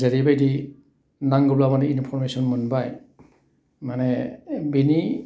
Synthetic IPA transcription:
zaɾibajdi | naŋɡɔblamanɛinpʰɔɹmesɔnmunbaj | manɛbini

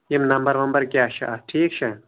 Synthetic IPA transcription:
jimnɐmbɐɾʋɐmbɐɾkʲjaːʃʰɐ̰ɐʈʰiːk̚t͡ʃʰɐ

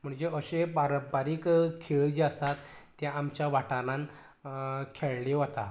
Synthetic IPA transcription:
m̤əɳd͡ʑeəɕebaɾəbaɾiːkkʰeɭːd͡ʑast̪at̪ː | jãamt͡ɕjaʋaʈalãn | kʰeɭleʋot̪a

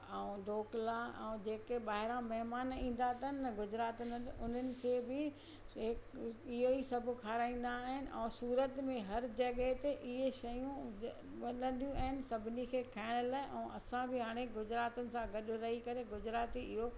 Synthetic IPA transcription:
ɛ̃ɖoːklaɛ̰̃d͡ʑeːkeɓaːɦɪɾãmɐɦmaːnĩːn̆d̪at̪ənːɐɡʊd͡ʑɾaːt̪ənʊn̤ənɪ̆kʰeːbɪ | ɪkɪɦoisɐbʱʊ̆kʰaːɾaːĩːn̆d̪aːɦɪnɪ̆ʔɛ̃ːsuːɾət̪mẽɦɐɾd͡ʑɐɠəɦt̪eʔɪɦeʃɐjũ | ɐlə̃nd̪ijũaɦɪnɪ̆sɐbʱɪnikʰeːkʰaːɪɽ̃əlaːɪʔɛ̃ːʔɐsãbɪɦaːɽ̃eɡʊd͡ʑɾaːt̪ʊnɪ̆sãɡɐɗʊ̆ɾɐɦikɐɾeɡʊd͡ʑɾaːt̪iɪɦo

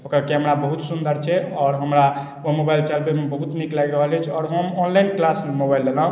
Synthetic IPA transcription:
ɦokɾəkeɦəmɾabəɦut̪sund̪əɾt͡ʃʰɛɔːɾɦəmɾa | omobajlt͡ʃəlbemebəɦut̪niklajɾəɦəlɛt͡ʃʰɔːɾɦəmɔnlainklasmobajlːelaɦ

